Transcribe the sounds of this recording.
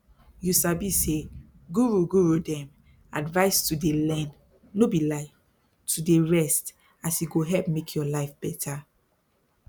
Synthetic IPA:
jusabise | ɡuɹuɡuɹudɛ̃m | advaɪstudelɛ̃nː | obilaɪ | tudeɹɛst | asjuɡoɦɛlpmekʰjɔlaɪfb̥ɛtʰa

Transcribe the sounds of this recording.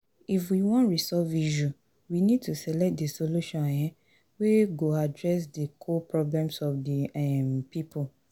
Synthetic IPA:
ifwiwɔ̃ntɹisɔviʃu | winid̚tusɛlɛp̚t̚desoluʃɔ̃njɛ̃ | weɡoadɹɛs̬dikʰopɹɔblɛ̃msɔfdiɛmpipʰu

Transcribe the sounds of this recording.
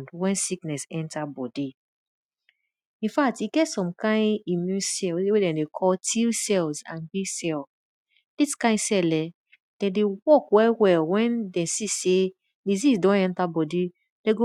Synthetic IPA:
ndwɛ̃nsiknɛsɛ̃ntabɔdi | ĩnfak̚tiɡɛtsɔ̃mkʰãɪ̃nimjũnsɛlwedɛ̃dekʰɔltʰilsɛlzã̰nbisɛl | d̥iskãɪ̃nsɛlɛ | d̥ɛ̃dewɔkwɛwɛlwɛ̃ndɛ̃sise | dizizdɔ̃nɛ̃ntabɔdi | dɛɡo

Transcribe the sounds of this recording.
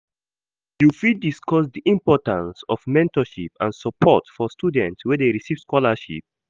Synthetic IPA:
jufidiskɔsdiʔĩmpɔtãnsɔfmɛ̃ntɔʃḭpã̰nsəpʰɔ̰tfɔstudɛ̃ntswɛdeɹisiv̥skɔləʃḭp̚

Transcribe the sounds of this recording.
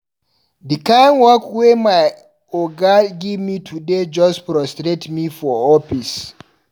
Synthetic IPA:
dikanwɔkwemaj | oɡaɡivmitʰuded͡ʒɔspɾɔstɾetmifɔɔfis

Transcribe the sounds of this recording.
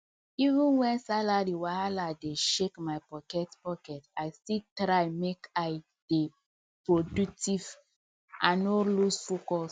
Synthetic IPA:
ivĩnwɛ̃nsalaɾiwaaladeʃekmaɪpɔkɛtpɔkɛtaɪstiltɾaɪmekaɪ | d̥e | pɹodutiv | ʔãnɔlusfokɔs

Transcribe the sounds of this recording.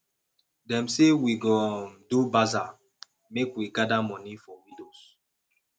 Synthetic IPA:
dɛ̃msewiɡɔndubaza | mekwiɡadamɔ̃nifɔwidos

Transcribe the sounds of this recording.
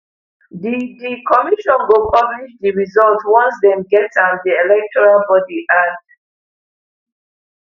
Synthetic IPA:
didikʰɔmiʃɔ̃nɡopʰabliʃdiɹizɔltwɔ̃nsdɛ̃mɡɛtandiɛlɛk̚tʰɔɹalbɔdiʔad

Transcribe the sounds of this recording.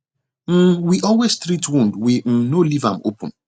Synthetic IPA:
n̩wiʔɔlwesstɾitwũndwim̩nolivã̰m̩o̰pṵ̃n̩

